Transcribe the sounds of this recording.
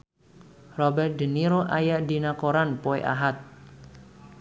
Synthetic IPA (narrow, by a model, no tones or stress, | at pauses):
rɔbɛrt̪̚d̪əniɾoʔajaʔdi̤nakoɾanpoḛʔa̰ɦat̪̚